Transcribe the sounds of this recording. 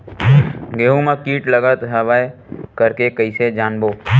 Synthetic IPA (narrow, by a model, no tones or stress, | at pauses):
ɡeːɦũmãkiːʈləɡət̪ɦəʋaːj | kəɾkekəised͡ʒaːnboː